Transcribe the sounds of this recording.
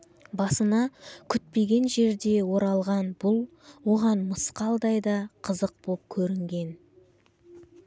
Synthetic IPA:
bɑsənɑkʲʰʏt̪̚pe̞ɡʲe̞nʒe̞ɾd̪e̞wo̞ɾɑlˠʁɑnbʊlˠ | wo̞ʁɑnməsqɑlˠd̪ɑjd̪ɑqʰəzəq̚bop̚kʲʰɵɾɪŋɡʲe̞n

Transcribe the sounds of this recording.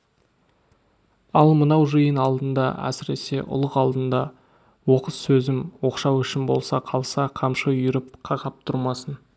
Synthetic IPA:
ɑlˠmənɑwʒəjənɑlˠd̪ənd̪ɑ̰æ̰sɪɾe̞se̞ʔʊ̰lˠəqɑlˠd̪ənd̪ɑ | wo̞qəsːɵzɪmwo̞qʃɑwʏʃɪnbo̞̰lˠsɑqʰɑlˠsɑqʰɑmʃəjʏɾɪp̚qʰɑʁɑp̚t̪ʰʊɾmɑsən

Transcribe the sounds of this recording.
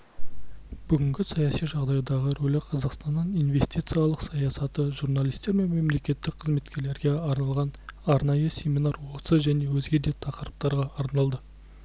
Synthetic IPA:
bʏɡʲɪŋɡʲɪsɑjɑsijʒɑʁd̪ɑjd̪ɑʁəɾolɪqʰɑzɑqst̪ɑnːɑnijnve̞st̪ijt̪sɨjɑlˠəqsɑjɑsɑt̪əʒurnalʲˠijst̪e̞ɾme̞nme̞mle̞kʲe̞t̪ːɪk̚qʰəzme̞t̪kʲe̞ɾle̞ɾɡʲe̞ɑɾnɑlˠʁɑnɑɾnɑjəsʲe̞mʲinɑɾwosəʒæne̞wɵzɡʲe̞d̪e̞t̪ʰɑqəɾəp̚t̪ɑɾʁɑɑɾnɑlˠd̪ə

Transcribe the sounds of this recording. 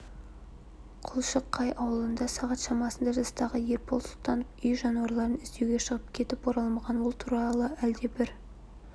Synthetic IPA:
qʰʊlˠʃəqʰːɑjʔɑwəlˠənd̪ɑsɑʁɑt̪ʃɑmɑsənd̪ɑʒɑst̪ɑʁəje̞ɾpʰo̞lˠsʊlˠt̪ɑnəpʏjʒɑnuwɑɾlˠɑɾənɪzd̪e̞wɡʲe̞ʃəʁəp̚kʲʰe̞t̪ɪpoɾɑlˠmɑʁɑnwolˠt̪ʰuɾɑlˠəæld̪e̞bɪɾ

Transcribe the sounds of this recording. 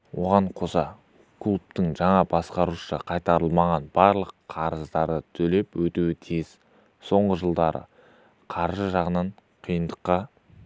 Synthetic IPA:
wo̞ʁɑɴqʰo̞sɑ | kʰlˠup̚t̪ɪŋʒɑɴɑbɑsqɑɾuʃə̰qʰɑjt̪ɑɾəlˠmɑʁɑnbɑɾlˠəqʰɑɾəzd̪ɑɾd̪ət̪ʰɵle̞pwɵt̪uwɪt̪ʰez̥ | so̞ɴʁəʒəlˠd̪ɑɾə̰ | qʰɑɾʒəʒɑʁənɑɴqʰijənd̪əqːɑ

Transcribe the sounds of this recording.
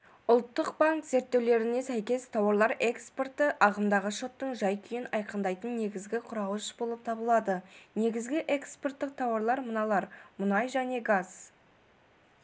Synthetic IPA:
ʊlˠt̪ːəqbaŋkz̥e̞ɾt̪ːe̞wle̞ɾɪne̞sæjkʲe̞st̪ʰɑwɑɾlˠɑɾe̞kspo̞rt̪əʔɑʁəmd̪ɑʁəʃo̞t̪ːəɴʒɑjkʲʰʏjɪnɑjqənd̪ɑjt̪ənːe̞ɡʲɪzɡʲɪqʰʊɾɑwəʃbo̞lˠəp̚t̪ʰɑbəlˠɑd̪əne̞ɡʲɪzɡʲɪʔe̞kspo̞rt̪ːɪq̚t̪ʰɑwɑɾlˠɑɾmənɑlˠɑɾmʊnɑjʒæne̞ɡaz̥

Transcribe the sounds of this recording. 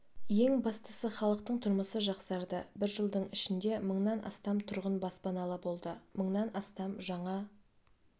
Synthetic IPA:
je̞ŋbɑst̪ə̥səχɑlˠəq̚t̪əɴt̪ʰʊɾməsəʒɑqsɑɾd̪əbɪɾʒəlˠd̪əɴɪʃɪnd̪e̞məɴnɑnɑ̰st̪ɑmt̪ʰʊɾʁənbɑspɑnɑlˠəbo̞lˠd̪əməɴnɑnɑst̪ɑmʒɑɴɑ

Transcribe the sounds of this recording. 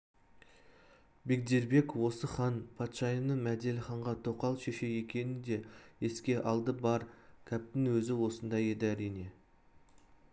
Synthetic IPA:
be̞k̚d̪e̞ɾbe̞kwo̞səχɑnpʰɑt̪ʃɑjənəmæd̪e̞lʲɪχɑɴʁɑt̪ʰo̞qɑlˠʃe̞ʃe̞je̞kʲe̞nɪnd̪e̞eskʲe̞ʔɑlˠd̪əbɑɾkʲʰæp̚t̪ɪŋwɵzɪwo̞sənd̪ɑje̞d̪ɪæɾijne̞

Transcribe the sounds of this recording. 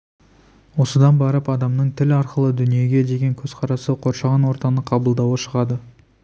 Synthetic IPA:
wo̞səd̪ɑnbɑɾəpɑd̪ɑmnəɴt̪ʰɪlɑɾqəlˠəd̪ʏnije̞ɡʲe̞d̪e̞ɡʲe̞ŋkʲʰɵzqʰɑɾɑsəqʰo̞ɾʃɑʁɑnwo̞ɾt̪ɑnəqʰɑbəlˠd̪ɑwəʃəʁɑd̪ə

